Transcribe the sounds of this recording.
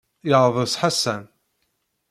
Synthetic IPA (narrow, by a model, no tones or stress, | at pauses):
jəʁˤðˤəsˤħasæn